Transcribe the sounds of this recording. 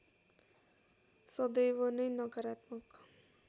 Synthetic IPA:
sʌd̪ʌjwʌnʌjnʌkʌɾat̪mʌk

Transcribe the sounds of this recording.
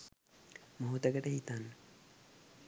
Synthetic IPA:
moɦut̪əɡəʈəɦit̪anːə

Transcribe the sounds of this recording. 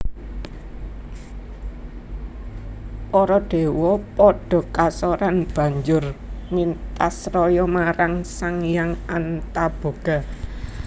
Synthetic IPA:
ɔɾɔɖ̥e̤wɔpɔɖ̥ɔ̤kasɔɾanb̥ä̤ɲd͡ʒʊrmint̪asrɔjɔmaɾaŋsaŋjaŋant̪ab̥o̤ɡ̥a̤

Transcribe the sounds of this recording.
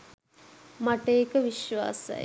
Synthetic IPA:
maʈeekəʋiʃʋa̰ːsə̰j

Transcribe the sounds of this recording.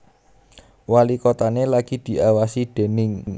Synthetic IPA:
walikot̪anelaɡ̥i̤d̪̥i̤awasid̪̥e̤nɪŋ

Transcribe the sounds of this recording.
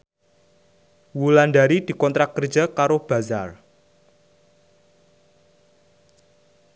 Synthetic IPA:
wulandaɾid̪̥i̤kɔnt̪ɾakːərd͡ʒakaɾob̥ä̤zar

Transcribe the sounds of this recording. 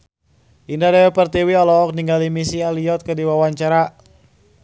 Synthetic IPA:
ʔindadajɛpərt̪iwiɔlɔɔk̚niŋɡalimisialiɔt̪̚kədiwawaɲt͡ʃaɾa

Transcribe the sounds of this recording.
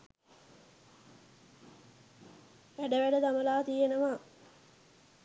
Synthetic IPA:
ʋæɖəʋæɖəd̪aməlaːt̪ijenəʋaː

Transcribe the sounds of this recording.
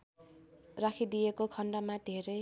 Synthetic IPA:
rakʰid̪ijekokʰʌɳɖʌmad̪ʱeɾʌj

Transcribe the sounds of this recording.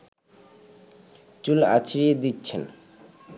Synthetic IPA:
t͡ɕula̰t͡ɕʰiɾed̪itːt͡ɕʰel

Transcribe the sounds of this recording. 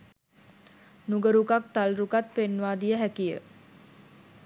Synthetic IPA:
nuɡəɾukak̚t̪alɾukat̪̚penːʋaːd̪ijəɦækijə̰

